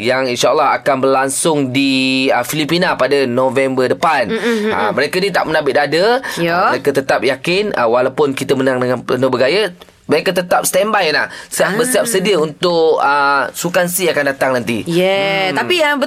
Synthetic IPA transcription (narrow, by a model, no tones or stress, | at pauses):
jaŋinʃaəlːaɦa̰kanbərlaŋsʊŋdiəfilipinapadənõvɛmbədəpanə̰məɾekənit̪a̰ʔmənabɪt̪adəməɾekət̪ət̪ap̚jakɪnə̰walawpʊnkit̪əmənaŋdəŋanpənəbəɡajə | məɾekət̪ət̪ap̚st̪ɛmbajlahsiabəsiap̚sədiəunt̪ʊʔəsukansiakandat̪aŋnant̪ijɛt̪apiabə